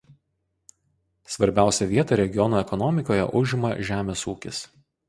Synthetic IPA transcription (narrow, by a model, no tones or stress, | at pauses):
sʋɐɾʲbʲæˑʊsʲɛʋʲiɛt̪ɐɾʲɛɡʲɪjɔnoːɛkɔnɔmʲɪkoːjɛ̰ʔʊʒʲɪmɐʒʲæːmʲeːsuːkʲɪs